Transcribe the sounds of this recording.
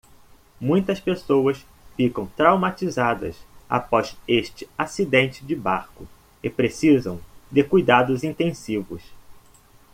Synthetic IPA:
mũj̃t̪ɐspesowɐs | fikɐ̃w̃t̪ɾawmat͡ʃizad̪ɐ̰sa̰pɔzeʃt͡ʃɪ̥asid̪ẽnt͡ʃɪd͡ʒɪbaɾkʊ | ɪpɾesizɐ̰̃w̃d̪ɪkujd̪ad̪ʊzĩnt̪ẽsivʊs

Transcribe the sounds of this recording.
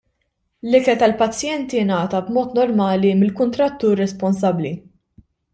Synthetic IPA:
lɪkɛlt̪ɐlpɐt͡sːjɛnt̪inɐːt̪ɐbmɔːt̪nɔɾmɐːlimɪlkʊnt̪ɾɐt̪ːuːɾːɛspɔnsɐbːli

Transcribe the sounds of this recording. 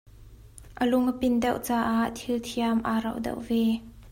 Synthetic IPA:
ʔəlʊŋəpɪndɛwʔt͡saːʔaʔt̪ʰilt̪ʰiamʔaːrɐ̰wʔdɐ̰wʔvɛ

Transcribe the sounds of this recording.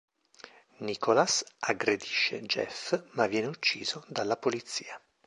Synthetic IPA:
nikolasaɡɾed̪iʃːḛd͡ʒɛ̰fmavːjɛːneut͡ʃːḭːzod̪alːapolit̪sːiːa

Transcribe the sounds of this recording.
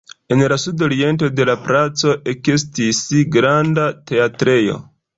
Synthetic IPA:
e̞nlasudo̞ɾie̞nto̞de̞lapɾat͡so̞ʔe̞kestisiɡɾandate̞atɾe̞jo̞̰

